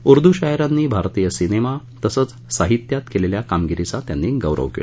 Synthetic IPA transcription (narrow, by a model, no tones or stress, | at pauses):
uɾd̪ʱuɕajɾanːiːbʱaɾt̪ijəsinema | t̪əsəːt͡s | saɦit̪jat̪keleljakamɡiɾit͡sat̪janːiɡəʋɾə̰ʋkḛl